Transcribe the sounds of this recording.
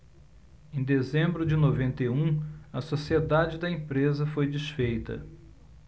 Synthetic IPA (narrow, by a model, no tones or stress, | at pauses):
ẽd̪ezẽmbɾʊd͡ʒɪnovẽnt̪eũɐsosied̪ad͡ʒɪd̪ɐẽpɾezɐfojd͡ʒɪsfejt̪ɐ̰